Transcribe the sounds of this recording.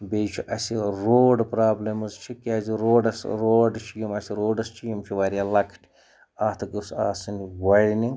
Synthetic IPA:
bejt͡ʃʰiʔɐsiɾoːɖpɾaːblɐmɨzt͡ʃʰikaːziɾoːɖɐsɾoːɖt͡ʃʰijimɐsiɾoːɖɐst͡ʃʰijimt͡ʃʰiʋaːɾʲjaːlɐkʰʈʲʰi | aːt̪ʰɨɡɨsa̰ːsɨniʋɐɻʲini

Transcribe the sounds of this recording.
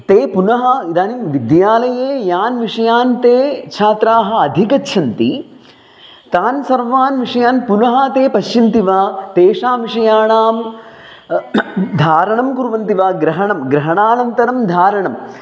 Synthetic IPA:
t̪eːpunɐɦɐ̆id̪aːniʋid̪jaːlɐjeːjaːnʋiʂɐjaːnt̪eːt͡ʃʰaːt̪ɾaːɦɐ̆ɐd̪ʱikɐtːʃʰɐnt̪i | t̪aːnsɐɾʋaːnʋiʂɐjaːnpunɐɦɐt̪eːpɐʃjint̪iʋaːt̪eːʂaːʋiʂɐjaːɳaːm | d̪ʱaːɾɐɳɐmkuɾʋɐnt̪iʋaːɡɾɐɦɐɳɐmɡɾɐɦɐɳaːnɐnt̪ɐɾɐmd̪ʱaːɾɐɳɐm

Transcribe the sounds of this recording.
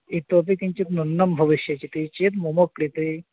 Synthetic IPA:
it̪op̪ik̪ĩɲt͡ɕit̪nunːɐmbʱɐʋiʃjɐt͡ɕit̪it͡ɕit̪̬mumokːɾit̪ɾi

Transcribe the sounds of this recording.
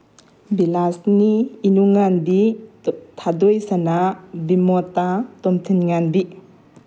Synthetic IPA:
bilasniːnuŋanbi | tʰadojsanabimɔtatɔmtʰinŋanbi

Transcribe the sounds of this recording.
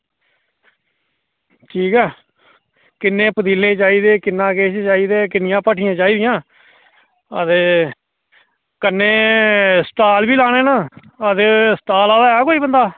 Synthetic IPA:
ʈʰiːkɛː | kɪnẽːpəd̪iːlẽːt͡ʃaːiːd̪eːkɪnːãːkeːt͡ʃt͡ʃaːiːd̪eːkɪnɪjãːpəʈʰɪjãːt͡ʃaːiːd̪ɪjãː | ət̪eː | kənːẽːsʈaːlʋiːlaːɽ̃eːnãː | əd̪eːsʈaːlãːd̪aːɛːkoːiːbənd̪aː

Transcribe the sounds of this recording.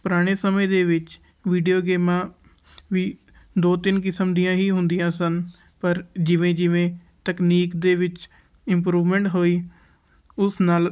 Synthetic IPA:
pʊɾaːɽ̃eːsəmẽːd̪eːʋɪt͡ʃ | ʋiːɖijoːɡeːmãː | ʋiː | d̪oːt̪ɪnk̬ɪsəmd̪ijãːɦiːɦʊnd̪ɪjãːsən | pəɾd͡ʒɪʋẽːd͡ʒɪʋẽː | t̪əkniːkd̪eːʋɪt͡ʃ | ɪmp̬ɾuːʋmẽːɳʈɦoːiː | ʊsnaːl

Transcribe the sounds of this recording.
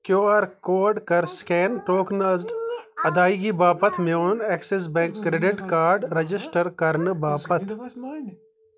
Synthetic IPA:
kjoːaːɾkoːɾɖkɐɾskeːnʈoːknɐzɖɐd̪aːiɡibaːpət̪ʰmẽonɛːkses̬bɛ̃ːŋkːɾeːɖɪʈkaːɾɖɾɐd͡ʒɪsʈəɾkɐɾnbaːpɐt̪ʰ

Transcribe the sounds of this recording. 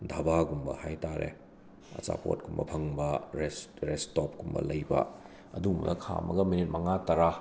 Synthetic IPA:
dʱabaɡumbɐ̰hajtaɾʔḛ | ɐt͡ʃa̰po̰t̚ɡumbɐpʰɐŋbɐɾesɾestɔp̚ɡumbɐ̰lɐjbɐ̰ | ɐdumɐ̰ɡɐkʰa̰mɐɡɐminit̚mɐŋatɐɾa

